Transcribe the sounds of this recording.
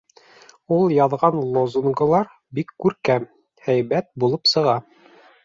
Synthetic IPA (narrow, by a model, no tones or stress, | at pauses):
ulˠjɑðʁɑnlˠozuŋɡŏlˠɑɾ | bikːʉɾkæm | hæjbæt̪̚bulˠɤpsɤ̆ʁɑ